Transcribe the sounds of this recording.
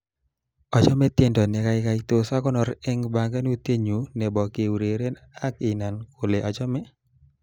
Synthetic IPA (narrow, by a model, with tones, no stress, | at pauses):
ɔ˨t͡ʃɔ˦mɛ˦t̪je˦˨ndɔ˨nɛ˨ka˦ɪ˦ka˨ɪt̪o˨sa˦kɔ˦nɔ˨ɾɛ˦ŋba˨ŋɡa˦nu˦t̪e˦ɲu˨nɛ˨bɔ˨ke˨wu˨ɾe˨ɾe˦n | a˦kɪ˨na˨nkʰo˨le˨ʔɔ˨t͡ʃɔ˦mɛ˦